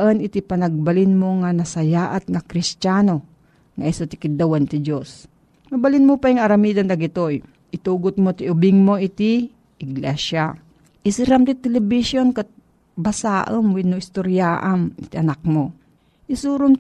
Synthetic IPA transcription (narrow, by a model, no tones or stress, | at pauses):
ʔənʔɪt̪ipɐnaɡ̚balinmoŋanɐsɐjaːʔat̪̚ŋakɾɪst͡ʃaːno | ŋɐʔisot̪ɪ̥kɪd̪awant̪ɪd͡ʒos | mɐbalinmopajŋɐɾɐmiːd̪and̪ɐɡɪt̪oj | ʔɪt̪uːɡʊt̪̚mot̪iʊbɪŋmoɪt̪i | ʔɪɡlɛsa | ʔɪsɪɾamt̪ɪt̪ɛlɛbiʃjonkat̪̚ | basaːʔəmwinːoɪst̪oɾjaːʔanɪt̪iʔɐnak̚mo | ʔɪsuːɾon